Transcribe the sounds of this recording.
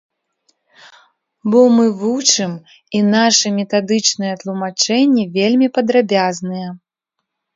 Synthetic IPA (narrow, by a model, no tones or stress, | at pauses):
bɔmɨvut͡ʂɨm | inaʂɨmʲɛt̪ad̪ɨt͡ʂnɨjɛt̪lˠumat͡ʂɛnʲːɛvʲelʲmʲipɐd̪ɾabʲaznɨjɛ